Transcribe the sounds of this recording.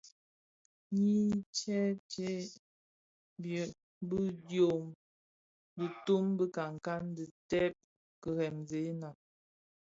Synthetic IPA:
ɲi˦t͡ʃɛ˦t͡ʃe˦ | bjə˨ | bə˦djo˨m | də˨tu˦mbə˦ka˨ŋ˨ka˦ndi˨tɛ˦p̚ | kə˨ɣɛ˨mze˨˦na˨

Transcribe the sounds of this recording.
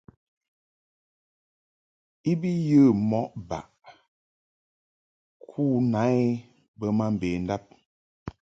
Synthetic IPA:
i˦bi˦jə˦˨mɔ˨˦ʔba̰˨ʔ | kʰuː˦˨na˨˦e˦ | bə˦ma˦m̩˨beː˨n̩˦da˦p̚

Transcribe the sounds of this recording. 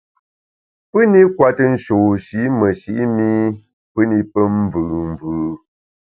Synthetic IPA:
pɨ˦ni˦kwa˦tə˦n̩˦ʃo˨ʃi˨˦mə˨ʃi˨˦ʔmi˦ | pɨ˦ni˦pə˦m˦vʉ˨m˨vʉː˨

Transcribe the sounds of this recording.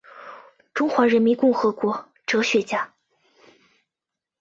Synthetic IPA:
ʈ͡ʂʊ˥ŋxwa˧˥ɻə˧˥nmi˧˥nkʊ˥˩ŋxɤ˧˥kwɔ˧˥ | ʈ͡ʂɤ˧˥ɕɥɛ˧˥t͡ɕja˥

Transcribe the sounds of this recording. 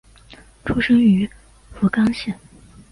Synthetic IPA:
ʈ͡ʂʰu˥ʂɤ˥ŋy˧˥ | fu˧˥kɑ˥ŋɕjɛ˥˩n

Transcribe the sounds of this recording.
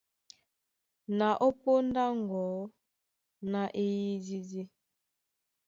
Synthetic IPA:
na˨ʔo˦po˦n˦da˦ŋ˨ɡɔː˨˦ | na˨ʔe˦ji˦di˦di˦

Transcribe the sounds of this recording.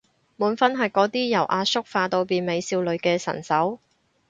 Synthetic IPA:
muː˨˥nfɐ˥nɦɐ˨jkɔː˨˥t̪iː˥jɐ˨˩wʔaː˧sʊ˥k̚faː˧t̪o˧wpiː˨nme˨˧jsiː˧wlɵ˨˧ɥkɛː˧sɐ̰˨˩nsɐ˨˥w

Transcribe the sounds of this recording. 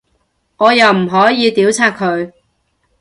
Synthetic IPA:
ŋɔː˨˧jɐ˨wm̩˨˩ɦɔː˨˥jiː˨˧t̪iː˨˥wt͡sʰaː˧t̚kʰːɵ˨˧ɥ

